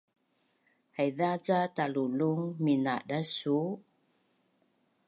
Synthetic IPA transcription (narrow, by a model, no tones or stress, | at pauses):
hajðazat̪aluluŋmina̰ɗasu